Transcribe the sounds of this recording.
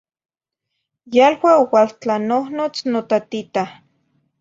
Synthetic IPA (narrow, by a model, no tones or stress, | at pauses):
jalwaowalt͡ɬanohnot͡snot̪at̪it̪a